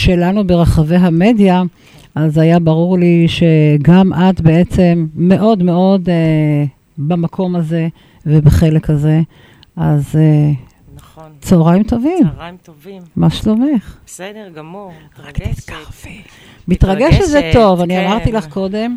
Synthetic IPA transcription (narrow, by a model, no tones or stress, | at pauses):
ʃe̞lanubeʁaχave̞ɦame̞dja | ʔazajabaʁuʁliʃe̞ɡamʔat̪be̞e̞t͡se̞mːe̞ʔo̞d̪me̞o̞d̪ | bamakʰo̞maze̞ | vebeχe̞le̞khaze̞ | ʔaze | t͡sooʁajmt̪o̞vim | maʃlomeχ | ʁakt̪i̥t̪kḁʁvi | mit̪ʁaɡeʃezet̪o̞vaniamaʁt̪ilaχko̞d̪e̞m